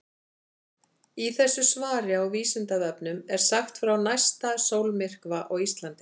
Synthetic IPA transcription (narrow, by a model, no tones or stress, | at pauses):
iθɛsːʏsvaːɾɪawviːsɪnt̪aðœpnʏmɛɾ̥saxt̪fɾawnajst̪asowlmɪr̥kvaʔɔɣist̪lant̪ɪ̥